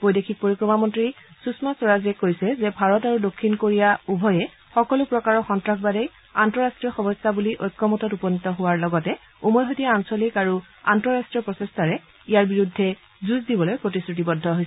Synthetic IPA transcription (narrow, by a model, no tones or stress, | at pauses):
b̥ojdekʰik̚poɹikɹɔmamɔntɹisusmasɔɹazɛkojsɛzɛbʱaɹɔtaɹudokʰːinkoɹijaubʱɔjɛ | xɔkɔlʊpɹɔkaɹɔxɔntɹakbadɛj | antɔɹastɹijɔxɔmɔstabuliʔɔjkːɔmɔtɔtupɔnitɔɦʊwaɹlɔɡɔtɛ | umɔjɦotijaansolikaɹu | a̰ntɔɹastɹijɔpɹɔsestʰaɹɛ | ijaɹbiɹudʱːɛ | zuzdibɔlojpɹotisɹut̬ibɔdʱːɔɦojsɛ